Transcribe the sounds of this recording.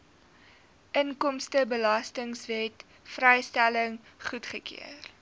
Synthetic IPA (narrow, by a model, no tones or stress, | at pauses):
ʔəŋkɔmstəbəlɐstəŋsvɛt | frɛjstæləŋ | χutχəkḭər